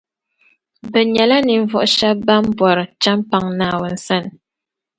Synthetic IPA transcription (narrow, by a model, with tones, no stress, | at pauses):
bɨ˨ɲɛ˨la˦ni˨ɱ˨vɔ˦ʔʊ˦ʃa˦b̚ba˦m˦bwɔ˨ɾɨ˨t͡ʃa˦mpa˨ŋnaː˦˨wɔ˨n̩˨sa˦n˨